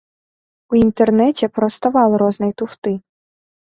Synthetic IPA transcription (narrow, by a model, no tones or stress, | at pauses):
uint̪ernɛtʲɛpɾɔst̪ɐʋɑlˠɾɔznɔjt̪ʊft̪ɪ